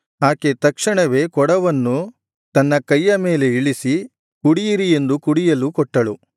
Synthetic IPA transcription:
aːket̪ɐkʂɐɳɐʋe̞ːkɔɽɐʋɐnːu | t̪ɐnːɐkɐjːɐme̞ːle̞iɭisi | kuɽijiɾie̞nd̪ukuɽijɐlukɔʈːɐɭu

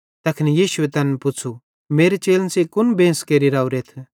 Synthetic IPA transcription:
t̪ɐkʰnijiːʃʊet̪ɐnpʊt͡sʰu | meːɾet͡ʃeːlnsekʊnbẽːskeːɾiɾaːuɾeːt̪ʰ

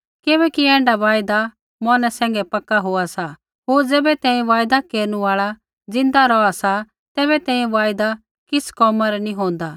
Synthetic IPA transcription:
kɪbɛːkiɛ̃ːɳɖaʋaːjd̪a | mɔnɛsɛ̃ːŋɡɛpɐkːaɦoasa | ɦoːɾd͡zɛːbɛt̪ɛ̃ːĩʋaːjd̪akeːɾnuaːɭa | d͡zɪ̃nd̪aɾɔasa | t̪ɛːbɛt̪ɛ̃ːĩʋaːjd̪a | kɪskɔːmaɾɛnĩɦõːnd̪aː

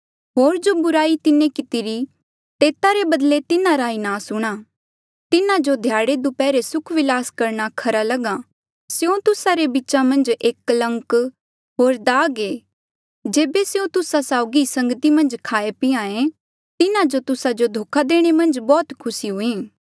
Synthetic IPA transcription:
ɦoːɾd͡ʒobʊɾaːit̪ɪnẽkɪt̪ɪɾi | t̪eːt̪aɾebɐd̪let̪ɪnãɾainaːsʊɽ̃a | t̪ɪnãd͡ʒod̪ʱjaːɽed̪upɛːɾesʊkʰʋɪlaːskɐɾñakʰɐɾalɐɡa | sjõt̪ʊsaɾebɪːt͡ʃamɐ̃nd͡ʒeːklɐ̃ŋk | ɦoːɾd̪aːɡe | d͡ʒeːbesjõt̪ʊsasaːʊɡisɐ̃ŋɡət̪imɐ̃nd͡ʒkʰaːepɪãẽ | t̪ɪnãd͡ʒot̪ʊsad͡ʒod̪ʱoːkʰad̪eːɽ̃emɐ̃nd͡ʒbɔːt̪kʰʊsiɦʊẽː

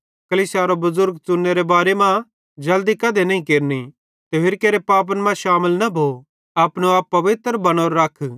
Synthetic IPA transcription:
kɐliːsjaɾobʊzʊɾɡ̚t͡sʊnːeɾebaːɾemã | d͡ʒɐld̪ikɐd̪ʱenɐĩkeːɾni | t̪eʋɪɾkeːɾepaːp̬ənmãʃaːməlnɐbʱo | aːpñũaːpːɐʋɪt̪ɾbɐɽ̃oɾːɐkʰ

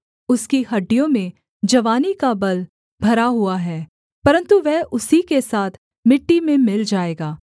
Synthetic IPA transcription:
ʊskiɦɐɖːijõmẽ | d͡ʒɐʋaːnikabɐl | bʱɐɾaɦʊaɦɛː | pɐɾə̃nt̪uʋɛɦʔʊsikesaːt̪ʰ | mɪʈːimẽmɪld͡ʒaːeːɡaː

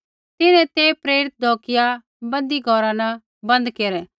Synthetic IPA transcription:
t̪ɪnɛ̃t̪eːpɾeːɾɪt̪̚d̪ʱoːkɪja | bɐ̃nd̪iɡʱɔɾanɐ | bɐ̃nd̪keːɾɛː

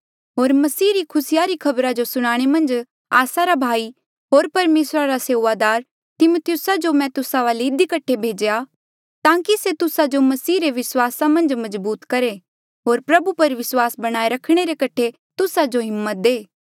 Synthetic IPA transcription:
ɦoːɾmɐsiːɾikʰʊsɪjaɾikʰɐbɾad͡ʒosʊɽ̃aːɽ̃emɐ̃nd͡ʒ | aːsaɾabʱaːi | ɦoːɾpɐɾmeːsɾaɾaseːʋad̪aːɾ | t̪ɪmot̪ʰɪjʊsad͡ʒomɛ̃t̪ʊsaʋaːleɪd̪ikɐʈʰebʱeːd͡ʒja | t̪ãːkiset̪ʊsad͡ʒomɐsiːɾeʋɪswaːsamɐ̃nd͡ʒmɐzbuːt̪kɐɾe | ɦoːɾpɾɐbupɐɾʋɪswaːsbɐɽ̃aːeɾɐkʰɽ̃eɾekɐʈʰe | t̪ʊsad͡ʒoɦɪmːət̪̚d̪eː

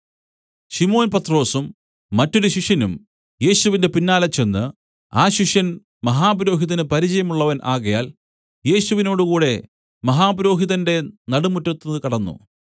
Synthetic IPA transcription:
ɕimo̞ːnpɐt̪ːro̞ːsumː | ɐtːo̞ɾuɕiʂjɐnum | je̞ːɕuʋinde̞pinːaːlɐt͡ɕːe̞nːɨ | aːɕiʂjɐn | mɐɦaːbɾo̞ːɦiðɐnɨpɐɾit͡ɕɐjɐmuɭːɐʋɐnʔaːɣɐja̰ːl | je̞ːɕuʋino̞ːɽukuːɽe̞ | mɐɦaːbɐɾo̞ːɦiðɐnde̞nɐɽumutːɐt̪ːðkɐɽɐnːṵ

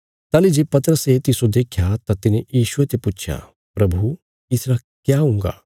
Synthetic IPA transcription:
t̪aːlid͡ʒepɐt̪ɾəset̪ɪsod̪eːkʰjat̪at̪ɪnejiːʃuʋet̪eput͡ʃʰja̰ | pɾɐbʱu | isɾa | kjaɦũŋɡa̰ː

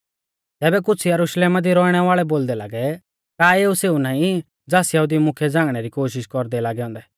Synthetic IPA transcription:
t̪ɛːbɛk̬ʊt͡sʰijɐɾʊʃleːmad̪iɾɔːiɽ̃ɛʋaːɭɛboːld̪ɛla̰ːɡɛ | kaːeːuseːunãːĩ | d͡zaːsjɐɦud̪imʊkʰɛd͡zãːŋɡɽ̃ɛɾikoːʃ̬ɪʃkɔɾd̪ɛlaːɡɛɔ̃ːnd̪ɛ

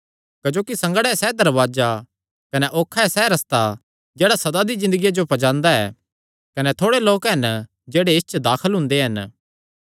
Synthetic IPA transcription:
kɐd͡ʒoːkisɐ̃ŋɡəɽɛɛsɛːd̪ɐɾʋaːd͡ʒa | kɐnɛʔoːkʰːaɛsɛːɾɐst̪a | d͡ʒeːɽasɐd̪ad̪izɪ̃nd̪əɡijad͡ʒopɐd͡ʒãːnd̪aɛ̰ː | kɐnɛt̪ʰoːɽeloːkɦɐn | d͡ʒeːɽeɪst͡ʃd̪aːkʰəlɦʊ̃nd̪eɦɐn

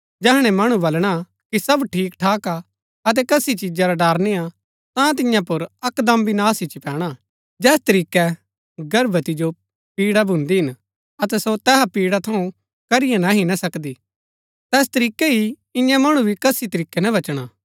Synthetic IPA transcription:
d͡ʒɛːɦɽ̃ɛ̃mɐɽ̃ũbɐlɽ̃a | kisɐbʈʰiːkʈʰaːka | ɐt̪̬ɛkɐsit͡ʃid͡ʒaɾaɖaːɾneã | t̪ãt̪̬ɪ̃jãpʊɾɐkd̪ɐmbinaːsɪt͡ʃipɛːɽ̃a | d͡ʒɛːst̪ɐɾiːkɛ | ɡɐɾbət̪id͡ʒo | piːɽabʱʊ̃nd̪iɦɪn | ɐt̪ɛsot̪ɛːɦapiːɽat̪ʰɐũ | kɐɾɪjãnaɦinɐsɐkd̪i | t̪ɛːs̬t̪ɐɾiːkɛɦi | ɪ̃jãmɐɽ̃ũbʱikɐsit̪ɐɾiːkːɛnɐʋɐt͡ʃɽ̃aː

